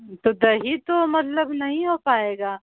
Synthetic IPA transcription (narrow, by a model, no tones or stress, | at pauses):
t̪od̪ɐɦit̪omɐt̪ləbnɐɦĩɦoːpaːeːɡaː